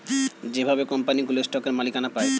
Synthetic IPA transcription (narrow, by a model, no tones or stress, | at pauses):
d͡ʑebʱabekɔmpaniɡuloesʈɔkeɾmalikanapae